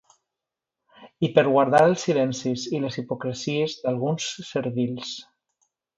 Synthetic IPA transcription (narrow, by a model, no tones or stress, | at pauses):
ipəɾɣwaɾðaɾəlˠsilɛnsizilezipukɾesiezðalˠɣunsːəɾβiʎs